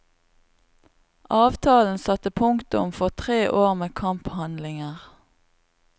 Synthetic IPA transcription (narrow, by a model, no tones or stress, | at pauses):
ʔɑːʋt̪ʰɑːln̩sɑt̪əpʰʊŋt̪ʊ̰mfɔʁt̪ʰʁeːʔoːʁmeːkʰɑmphɑnlɪŋəʁ